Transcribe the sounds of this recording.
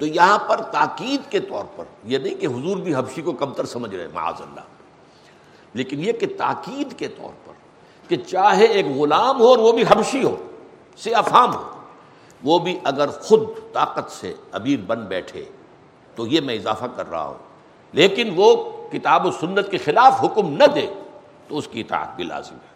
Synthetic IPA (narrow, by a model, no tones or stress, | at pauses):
t̪ojɐɦãpɐɾt̪aːqiːd̪ket̪ɔ̰ːɾpɐ̰ɾjenɐɦĩkeɦʊzuːɾbʱiɦɐbʃikokɐb̚t̪əɾsɐməd͡ʒʱɾɐ̰ḛ̃mɐ̰a̰ːzɐ̰lːa̰ː | leːkɪnjeket̪a̰ːqiːd̪ket̪ɔ̰ːɾpɐ̰ɾ | ket͡ʃaːɦeeːkɣʊlaːmɦoɔːɾʋobʱiɦɐbʃiɦo̰ː | seɐfaːmɦo̰ː | ʋoːbʱiʔɐɡəɾxʊd̪̚t̪aːqət̪sḛɐmiːɾbɐ̃nd̪bɛːʈʰḛː | t̪ojemɛ̃ɪzaːfakɐ̰ɾːɐ̰ɦa̰ɦṵ̃ː | leːkɪnʋokɪt̪aːbosʊnːət̪̚kexɪlaːfɦʊkmnɐd̪eː | t̪oʊskiɪt̪a̰ːə̰t̪̚bʱila̰ːzɪ̰mɦɛː